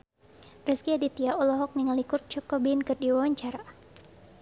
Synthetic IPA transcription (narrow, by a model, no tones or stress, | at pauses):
rəskiadit̪iaɔlɔɦɔk̚niŋalikʊr̚t͡ʃɔkɔbinkɨrdiwawaɲt͡ʃaɾa